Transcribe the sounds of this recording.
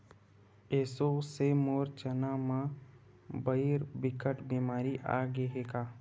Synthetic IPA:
eːsosemoːɾt͡ʃənamã | bəiɾbɪkəʈbiːmaːɾiʔa̰ːɡeɦeːɡaː

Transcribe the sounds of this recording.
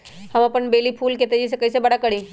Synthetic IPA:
hɐmɐpənbeːlipʰuːlkeːt̪ed͡ʒɪs̬ekɐisebɐɽakɐɽĩː

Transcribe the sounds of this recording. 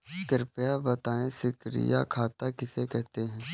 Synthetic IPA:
kəɾpjabɐt̪aːẽsɪkɾɪ̰ja̰kʰaːt̪akɪsekɛɦt̪eɦɛ̃ː

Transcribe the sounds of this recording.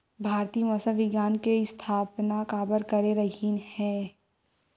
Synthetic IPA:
bʱaːɾt̪iːmɔsəʋɪɡjaːnkest̪ʰaːpnakaːbəɾkɐɾeɾəɦinhɛ̃ː

